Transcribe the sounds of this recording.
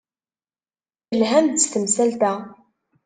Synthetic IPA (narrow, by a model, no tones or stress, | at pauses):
əlɦæmd̪st̪əmsælt̪æ